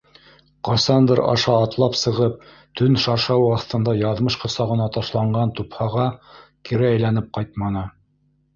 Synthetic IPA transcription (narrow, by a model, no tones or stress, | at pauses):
qɑsɑnd̪ɾɑ̰ʃɑːt̪lˠɑpsɤ̆ʁɤp̚ | t̪ɵnʃɑɾʃɑwɑθt̪ɤ̆nd̪ɑjɑðmɤʃqɤ̆sɑʁɤ̆nɑt̪ɑʃlˠɑɴɢɑnt̪uphɑʁɑkiɾɘæjlænɘp̚qɑjt̪̚mɑnɤ